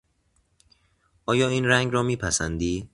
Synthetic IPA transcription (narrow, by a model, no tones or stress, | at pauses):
ʔɒːjɒːiːnɾæŋɡɾɒːmiːpʰæsænd̪iː